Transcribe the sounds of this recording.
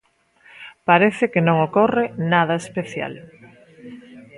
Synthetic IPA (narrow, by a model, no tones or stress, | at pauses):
paɾeθɪkenõŋokorenaðaespeθja̰l